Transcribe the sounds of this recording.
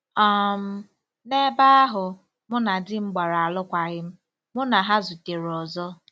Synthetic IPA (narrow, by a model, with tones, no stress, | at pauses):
a˦˨m̩˦ | ne˦ba˦a˦ɦʊ˨ | mʊ˦na˨dɪ˦ŋ͡m̩˦ɡ͡ba˨ɾa˨a˨lʊ˦kʷa˨ɣɪ˦m̩˦ | mʊ˦na˨ɦa˦zʊ˨te˨ɾɔ˨zɔ˦